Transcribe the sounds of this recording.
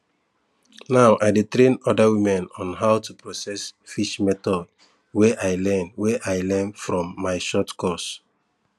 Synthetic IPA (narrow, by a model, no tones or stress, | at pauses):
naʊʔajdetɹẽnɔdawimɛ̃nɔ̃nɦawtupɹɔsɛsfiʃmɛtɔd | weʔajlɛ̃nweʔajlɛ̃nfɹɔ̃mːaɪʃɔtkɔs